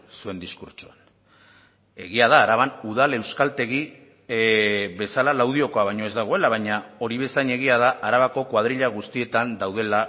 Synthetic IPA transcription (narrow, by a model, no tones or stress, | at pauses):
sue̞nd̪iskuɾt͡ʃoan | e̞ɣiað̞aːɾaβanuðale̞wskalt̪e̞ɣ̞i | βe̞salalawð̞io̞ko̞aβajɲo̞e̞zd̪aɣ̞o̞e̞laβ̞ajɲao̞ɾiβe̞saɲe̞ɣ̞iað̞aʔaɾaβako̞kwað̞ɾiʎaɣ̞ust̪ie̞t̪and̪awð̞e̞la